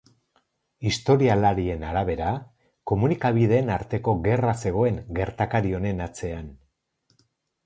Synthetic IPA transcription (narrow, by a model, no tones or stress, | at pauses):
ist̪o̞ɾialaɾie̞naɾaβ̞e̞ɾa | ko̞munikaβ̞ið̞e̞ːnaɾt̪e̞ko̞ɣe̞rase̞ɣ̞o̞e̞ŋɡe̞ɾt̪akaɾio̞ne̞nat͡se̞an